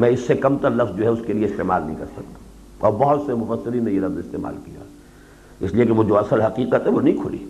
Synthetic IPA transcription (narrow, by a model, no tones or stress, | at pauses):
mɛ̃ɪsːekɐmt̪ɐɾlɐfzd͡ʒoːɦɛʊskelieɪst̪eːma̰ːlnɐ̰ɦḭ̃kɐ̰ɾsɐk̚t̪ḁ | ɔːɾbɐɦʊt̪semʊfəsːɪɾinẽjelɐfzɪst̪ḛːma̰ːlkija̰ | ɪsliekeʋod͡ʒoɐsəlɦɐqiːqət̪ɦɛʋonɐɦĩkʰʊlḭː